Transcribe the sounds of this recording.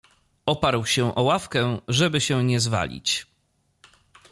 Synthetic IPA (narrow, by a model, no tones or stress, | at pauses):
ɔpaɾwɕɛʔɔwafkɛʐɛbɘɕɛɲɛzva̰lʲḭt͡ɕ